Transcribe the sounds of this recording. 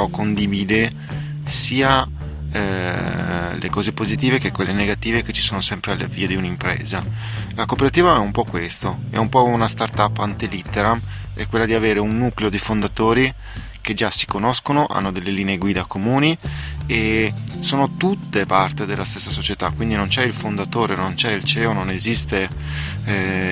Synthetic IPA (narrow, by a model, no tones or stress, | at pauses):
ɔkːond̪iviːd̪e | siːa | ɛ | lḛkɔːzepozit̪iːvekekːwelːeneɡat̪iːveket͡ʃːi̥soːnosɛmpɾealːḛviːed̪iunimpɾḛːzalakopeɾat̪iːvaɛumpɔkːwest̪oɛ̰umpɔunast̪art̪apːant̪ilit̪ːeɾa | ɛ̰kwelːad̪iaveːɾeunːuːkleod̪ifond̪at̪oːɾi | ked͡ʒasi̥konoskonoʔa̰nːod̪elːeliːneeɡwiːd̪akomuːniesoːnot̪ut̪ːepart̪ed̪elːast̪esːasot͡ʃet̪akwind̪inont͡ʃɛilfond̪at̪oːɾenont͡ʃɛilt͡ʃɛːononezist̪e